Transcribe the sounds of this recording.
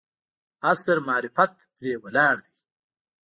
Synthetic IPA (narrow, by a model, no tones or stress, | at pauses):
asɾmaːɾɪfɐt̪̚ː | ɾeːwɐlaːɾd̪i